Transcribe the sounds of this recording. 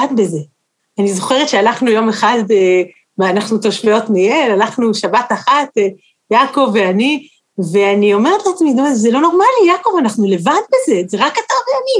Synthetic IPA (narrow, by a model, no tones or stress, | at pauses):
adbe̞ze̞ | anizo̞χeʁetʃealaχnujo̞me̞χad̪e | meanaχnuto̞ʃfeo̞tnijelalaχnuʃabataχat̪ | jako̞veani | ve̞anio̞meʁet̪latmid̪ozelo̞no̞ʁmalijako̞vanaχnule̞vad̪̚be̞ze̞zeʁakːataʁbejamim